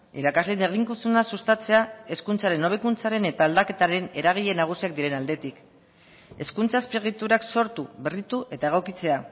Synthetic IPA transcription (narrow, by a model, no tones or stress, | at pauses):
ḭɾakazle̞ne̞ɣ̞iŋkusunasust̪at͡se̞ae̞skunt͡saɾe̞no̞β̞ekunt͡saɾe̞ne̞t̪aːld̪ake̞t̪aɾe̞ne̞ɾaɣ̞iʎe̞naɣ̞usiak̚d̪iɾe̞nald̪e̞t̪ik | e̞skunt͡saespiɣit̪uɾakso̞ɾt̪uβe̞rit̪uʔe̞t̪ae̞ɣ̞o̞kit͡se̞a